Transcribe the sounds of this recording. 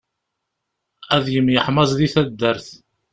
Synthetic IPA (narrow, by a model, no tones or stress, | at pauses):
æðjəmːjəħmɑzˤðiθæd̪ːəɾθ